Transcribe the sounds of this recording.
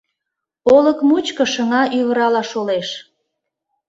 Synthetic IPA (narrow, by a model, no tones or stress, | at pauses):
oləkmut͡ɕkə̆ʃəŋɑʔyβəɾɑlɑʃoleʃ